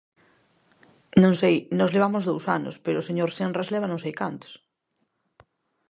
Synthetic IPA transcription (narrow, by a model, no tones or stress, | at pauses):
nõŋsejnɔzleβamozðowsa̰no̰speɾoːseɲoɾsenrazleβanõŋsejkant̪o̥s